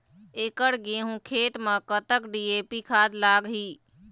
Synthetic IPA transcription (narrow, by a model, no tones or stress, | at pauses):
eːkəɽɡeɦũkʰeːt̪məkət̪əkɖieːpikʰaːd̪laːɡɦiː